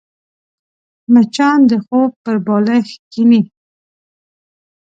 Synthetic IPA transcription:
mat͡ʃɑnd̪əxob̚pəɾbɑlexkini

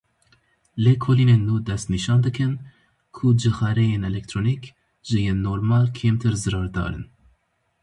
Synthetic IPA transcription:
lekʰoliːneːnːuːd̪ɛst̪niʃɑːnd̪ɨkʰɨn | kʰud͡ʒɨxɛɾɛjeːnɛlɛk̚t̪ʰɾoːnik | ʒɨjeːnːoːɾmɑːlkʰeːmt̪ʰɨɾzɨɾɑːɾd̪ɑ̰ːɾɨ̰n

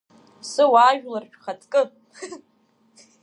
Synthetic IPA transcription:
sɨwaːʒᶣlarʃᶣχat͡sʼkʼɨ

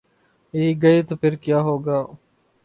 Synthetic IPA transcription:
iːɡəiːt̪opʰɪɾkjaːɦoːɡaː

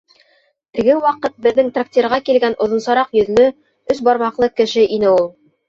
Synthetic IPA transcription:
t̪ɘ̆ɡɘwɑqɤt̪̚bɘ̆ðːɘŋt̪rak̚t̪ʲirʁɑkilɡænʔŏðŏnsɑɾɑqjɵ̆ðlɵ | ɵsbɑɾmɑqlˠɤkɘ̆ʃɘʔinɘulˠ

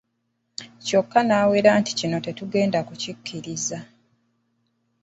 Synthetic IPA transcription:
co̞kːanaːwe̞ːɾaːnti̥cino̞te̞tuɡe̞ːndakucikʰːiɾiza

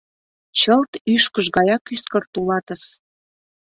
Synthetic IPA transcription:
t͡ɕəlt̪yʃkəʒɡɑjɑkyskə̆rt̪ulɑt̪ə̆s

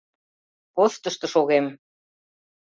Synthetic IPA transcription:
post̪əʃt̪ɤ̆ʃoɣem

